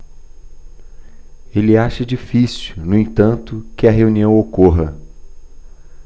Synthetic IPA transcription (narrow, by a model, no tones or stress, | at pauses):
elɪaʃɐd͡ʒifisunʊẽt̪ɐ̃nt̪ʊkɪɐɦeuniɐ̃w̃okoɦɐ